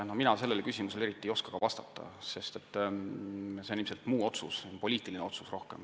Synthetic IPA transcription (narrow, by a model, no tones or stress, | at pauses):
nominɑse̞lːelkysʲimuse̞leit̪ːˑiejo̞skɑ̥ɡ̥ɑvɑst̪ɑt̪ˑːɑ̰se̞st̪e̞t̪ːˑ | senimselt̪muːo̞t̪sṵspo̞lʲiːt̪ːˑilineo̞t̪susro̞hke̞̰m